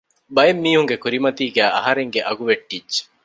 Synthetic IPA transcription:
bɐemːiːɦuŋɡekuɾimɐt̪iːɡæːʔɐɦɐɾeŋɡeʔɐɡuʋeʈːid͡ʒːe̥

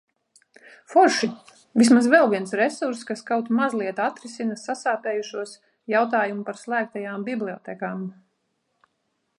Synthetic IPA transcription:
fɔɾʃi | vismazvɛlˠviɛnsɾɛsuɾskaskawt̪mazlˠiɛt̪at̪ɾisinasasaːpɛːjuʃuɔs | jawt̪aːjumupaɾslˠæːk̚t̪ajaːmbiblˠiɔ̰t̪ɛkaːm

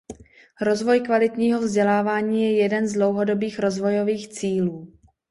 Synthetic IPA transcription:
ɾo̞zvo̞jkvalɪt̪ɲiːɦo̞vzɟɛlaːvaːɲiːjɛjɛdɛnzdlo̞wɦo̞do̞biːxɾo̞zvo̞jo̞viːxt͡siːluː

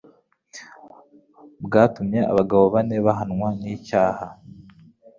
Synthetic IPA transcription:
bɡaːtumɲe̞a̰βaɡaβo̞βane̞βaɦanŋwaniːcaːha

